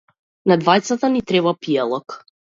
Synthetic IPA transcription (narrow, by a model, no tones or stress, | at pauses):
nad̪vajt̪sat̪anit̪ɾɛbapialˠɔk